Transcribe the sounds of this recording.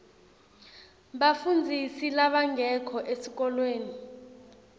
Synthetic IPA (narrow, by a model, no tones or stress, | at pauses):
ɓafund͡zʱisilaɓaŋʱɛkʰɔʔesik̬ɔlweːni